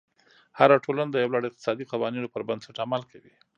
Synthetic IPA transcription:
haɾaʈʰolanad̪əjawlɑɽɪq̚t̪ɪ̥sɑd̪iqawɑninopəɾband̪saʈamalkʰawi

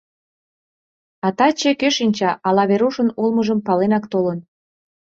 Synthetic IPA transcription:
ɑt̪ɑt͡ɕekøʃinʲt͡ɕɑʔɑlɑβeɾuʃənulməʒəmpɑlenɑkt̪olən

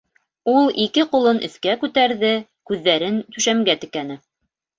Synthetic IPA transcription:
ulˠikɘqulˠɤnʔɵ̰̆θkækʉt̪æɾðɘ | kʉðːæɾɘnt̪ʉʃæmɡæt̪ɘ̆kænɘ

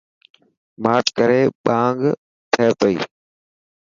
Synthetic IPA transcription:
maːʈkəɾeːɓãːŋɡ | t̪ʰeːp̪əḭː

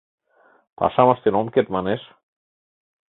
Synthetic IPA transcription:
pa̰samast̪enɔmket̪̚manes

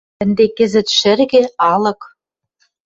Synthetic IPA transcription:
ɘ̆nd̪ekɘ̆zɘ̆t̪ʃɘ̆rɣĕɑlɤ̆k

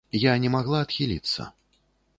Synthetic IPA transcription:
janʲɛmaɣlˠaːt̪xʲilʲḭt̪sːɐ̰

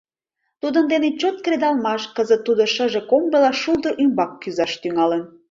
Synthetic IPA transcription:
t̪ud̪ənd̪enet͡ɕot̪̚kɾed̪ɑlmɑʃkəzət̪ːud̪oʃə̆ʒekombəlɑʃuld̪əʔymbɑkːyzɑʃt̪yŋɑlən

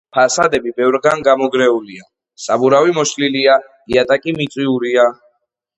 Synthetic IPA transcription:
pʰasad̪ɛbibɛvɾɡanɡamɔɡɾɛulia | sabuɾavimɔʃlilia | iat̪ʼakʼimit̪sʼwiuɾia

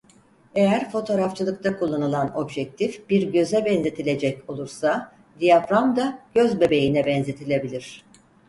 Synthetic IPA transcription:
e̞jæɾfo̞t̪ʰo̞ːɾaft͡ʃʰɯlˠɯk̚t̪ʰakulˠːanɯlˠano̞bʒɛc̚t̪ʰifb̥iɾɟø̞zɛbɛnze̞t̪ʰilʲe̞d͡ʒɛco̞lˠuɾsa | d̪ijafɾamd̪aɟ̥øzbe̞be̞jinɛbɛnze̞t̪ʰilʲe̞bilʲiɾ̝̥

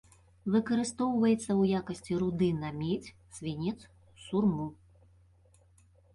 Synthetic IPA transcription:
vɨkɐɾɨst̪ɔwvɐjɛt̪sːɐwjakɐsʲt͡sʲiɾud̪ɨnɐmʲet͡sʲ | sʲvʲinʲɛt̪s | surmu

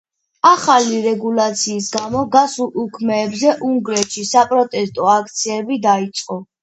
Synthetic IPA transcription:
aχaliɾɛɡulat̪sʰiːs̬ɡamɔɡasulukʰmɛːbzɛʔuŋɡɾɛt̪ʃisapʼɾɔt̪ʼɛst̪ʼɔak̚ʰt̪sʰiɛbid̪ait̪sʼqʼɔ

